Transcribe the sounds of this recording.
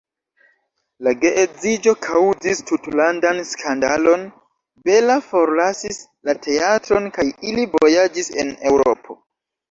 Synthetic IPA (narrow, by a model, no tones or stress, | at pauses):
laɡe̞ʔed͡zid͡ʒo̞kʰawud͡zistutlandanskʰanda̰lo̞n | be̞lafo̞ɾlasis | latʰe̞atɾo̞nkajilivojad͡ʒise̞̰ne̞wɾo̞̰pʰo̞